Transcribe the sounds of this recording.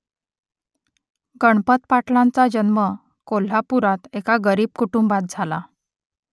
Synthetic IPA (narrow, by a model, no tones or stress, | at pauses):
ɡəɳpət̪̚paʈlant͡sad͡ʑənmə | kol̤apuɾat̪ekaɡəɾiːb̚kuʈumbat̪̚d͡zʱala̰